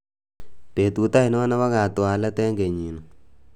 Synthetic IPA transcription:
te˨t̪u˨t̪a˦i˨nɔ˦na˦wa˦ɡa˨t̪o˨a˨la˦t̪ɛ˦ŋɡe˨ɲi˨nɔ˨

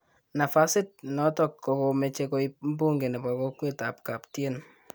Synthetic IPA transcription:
na˨fa˦sɪ˦t̚nɔ˨˦tɔ˨kːɔ˨ko˨mɛ˨t͡ʃe˧ko˦i˦m̩˦bu˦ŋɡe˨nɛ˨pa˨ko˦kwe˦ta˨p̚ka˨ptje˦n

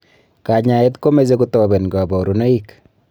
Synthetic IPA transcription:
ka˨ɲa˨e˦tko˦me˨z̬e˦ku˦tɔ˨be˨nɡa˨bɔ˨ɾu˦na˦i˦k

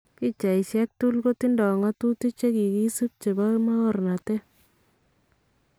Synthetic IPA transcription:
ki˦t͡ʃa˨i˨sjɛ˦k̚tu˦lko˦ti˦ndɔ˨ŋa˦tu˦ti˦t͡ʃe˦ki˨ki˦su˦p̚t͡ʃe˨ba˦ma˦ɣɔ˨rna˨te˦

